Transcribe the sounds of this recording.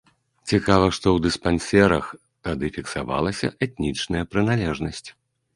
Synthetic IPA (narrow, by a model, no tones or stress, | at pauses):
t͡sʲikavɐʂt̪ɔwd̪ɨspanʲsʲɛɾɐx | t̪ad̪ɨfʲiksa̰va̰lˠɐsʲɐ̰ʔɛt̪̚nʲit͡ʂnɐjɐpɾɨnalʲɛʐnɐsʲt͡sʲ